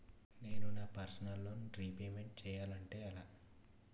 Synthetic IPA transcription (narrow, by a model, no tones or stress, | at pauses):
ne̞ːnunaːpɐɾsɐnɐlːo̞ːnuɾiːpeːme̞ɳʈ̚t͡ʃɛːjaːlɐɳʈe̞ːɐlaː